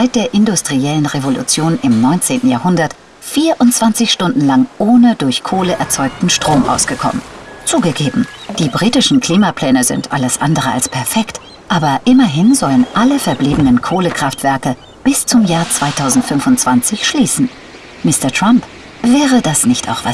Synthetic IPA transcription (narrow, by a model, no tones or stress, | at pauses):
zaɪt̚d̥eːɐʔɪndʊstʁ̥iɛlənʁevolṵt͡sjoːnɪmnɔʏnt͡seːntn̩jaːɐɦʊndɐt | fiːɐʔʊntt͡sv̥ant͡sɪçʃtʊndn̩laŋʔoːnədʊɐçkʰoːləʔɛɐt͡sɔʏk̚tn̩ʃtʁ̥oːmʔa̰ʊsɡ̥əkʰɔ̰mənt͡suːɡəɡeːbm̩ | d̥iːbʁiːtɪʃn̩kl̥iːmapʰl̥ɛːnəzɪ̰ntʰʔa̰ləsʔa̰ndəʁəʔa̰lspʰɛɐfɛkt | ʔaːbɐʔɪmɐɦɪnzɔlənʔaləfɛɐbliːbənənkʰoːləkʁ̥aftv̥ɛɐkə | b̥ɪst͡sʊmjaːɐt͡sv̥aɪtʰaʊzn̩tfʏnfʊntt͡sv̥ant͡sɪçʃliːsn̩ | mɪstɐtʁ̥amp | v̥ɛːʁədasnɪçta̰ʊxv̥a